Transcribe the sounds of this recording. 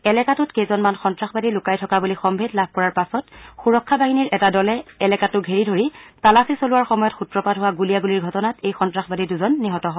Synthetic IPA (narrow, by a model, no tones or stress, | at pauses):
ɛlɛkatʊtkejzɔnmanxɔntɹaxbadilʊkajtʰɔkabulixɔmbʱetlab̚ʱkɔɹaɹpasɔtxuɹɔkʰːabaɦiniɹʔɛtadɔlɛɛlɛkatʊɡʱeɹidʱoɹitalasisolʊwaɹxɔmɔjɔtxutɹɔpadɦʊwaɡulijaɡuliɹɡʱɔtɔnatejxɔntɹaxbadiduzɔnːiɦɔtɔɦɔ